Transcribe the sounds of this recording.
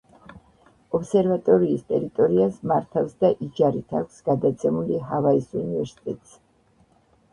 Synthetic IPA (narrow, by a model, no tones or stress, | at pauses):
ɔpsɛɾvat̪ʼɔɾiːst̪ʼɛɾit̪ʼɔɾiasmaɾt̪ʰafsd̪aʔid͡ʒaɾit̪ʰakʷʰsɡad̪at̪sʰɛmuliɦavaisunivɛɾsi̥t̪ʼɛt̪ʼs